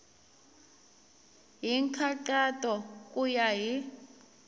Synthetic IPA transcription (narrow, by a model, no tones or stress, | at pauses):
ɦiŋkʰakatʼɔkʼujaɦi